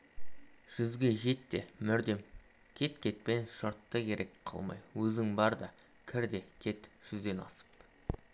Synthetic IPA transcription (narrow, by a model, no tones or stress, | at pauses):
ʒ̥ʏzɡʲe̞ʒe̞t̪ːe̞mʏɾd̪e̞m | kʲʰe̞t̪kʲʰe̞t̪̚pe̞nʃoɾt̪ːəkʲʰe̞ɾʔe̞kqʰɑ̰lˠmɑ̰jwɵzɪŋbɑɾd̪ɑ | kʲʰɪɾd̪e̞kʲʰe̞t̪ʒ̥ʏzd̪e̞nɑ̰sə̥p